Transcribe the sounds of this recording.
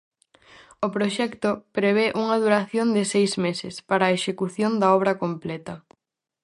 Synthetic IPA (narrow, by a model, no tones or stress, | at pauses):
ʊpɾoʃɛkt̪opɾeβ̞eʔuŋɐð̞uɾaθjond̪ɪsejzmesɪ̰spaɾɐːeʃekuθjond̪ɐɔβ̞ɾɐkomplɛt̪ɐ